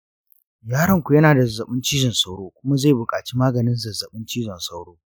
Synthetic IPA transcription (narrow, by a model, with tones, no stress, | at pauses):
jaː˦ɽɐ˦ŋkʷu˨jɐ˦naː˨da˨ɐ˨zːɐ˨ɓɪ˦nt͡ʃiː˦d͡ʒɪ˨nsa˦wɽoː˦kʷʊ˦ma˦ze˦˨jbʊ˨kʼaː˨t͡ʃi˦maː˦ɡɐ˨nɪ˦nzɐ˨zɐ˨ɓɪ˦nt͡ʃiː˦d͡ʒɪ˨nsa˦wɽoː˦